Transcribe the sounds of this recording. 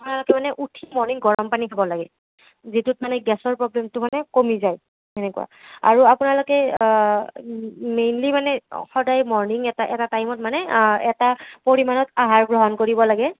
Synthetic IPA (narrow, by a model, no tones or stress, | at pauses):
apunalʊkɛmanɛʔutʰimɔɹniŋɡɔɹɔmpaniabɔlaɡɛ | zitut̚manɛɡɛsɔɹpɹɔblɛmtʊmanɛkomizaj | ɛnɛkṵa̰a̰ɹuapʊnalʊkɛ | mejnlimanɛxɔdajmɔɹniŋɛtaʔɛ̰tatajmɔtmanɛɛtapoɹimanɔtaɦaɹɡɹɔɦɔnkoɹibɔlaɡɛ